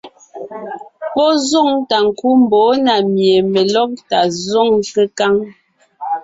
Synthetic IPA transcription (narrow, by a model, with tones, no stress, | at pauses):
pɔ˦zɔ˦˨ŋta˨ŋ̩˨ku˦m˨bɔː˨˦na˨mje˨mɛ˨lɔ˦k̚ta˨zɔ˦˨ŋke˦ka˦ŋ